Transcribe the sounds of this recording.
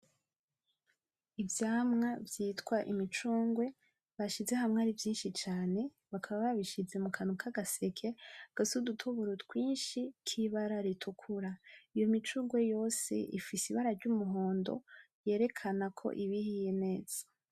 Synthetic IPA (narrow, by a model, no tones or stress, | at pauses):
ivjaːmŋavjiːtwaʔimit͡ʃuːŋɡwe̞ | βaʃize̞hamŋaːɾivjiːnʃit͡ʃaːne̞ | βakʰaβaβaβiʃize̞mukʰanukʰaɡase̞kʰe̞ɡ̥asudutʰoβuɾutwiːnʃikʰiβaɾaɾitʰukʰuɾaijomit͡ʃuːŋɡwe̞jo̞ːse̞̰ʔifisiβaɾaɾɟumuɦo̞ːndo̞̰ | je̞ːɾe̞kʰanakʰo̞̰ʔiβihijene̞ːz̥ḁ